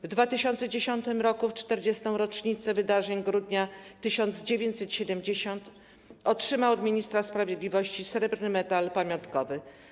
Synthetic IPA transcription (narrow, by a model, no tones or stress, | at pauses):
vd̪vat̪ɘɕɔnt̪sɛd͡ʑeɕɔnt̪ɘmɾɔkuft͡ʂt̪ɛɾd͡ʑɛst̪ɔ̃w̃ɾɔt͡ʂɲit̪sɛvɘd̪aʐɛɲɡɾud̪ɲat̪ɘɕɔnd̪zd͡ʑevʲjeɲt͡ɕʲsɛt̪ɕɛd̪ɛmd͡ʑeɕɔnt̪ | ɔtʂɘmawɔd̪mʲiɲist̪ɾaspɾavʲjed̪lʲivɔɕt͡ɕisɾɛbɾnɘmɛt̪alpamʲjɔnt̪kɔvɘ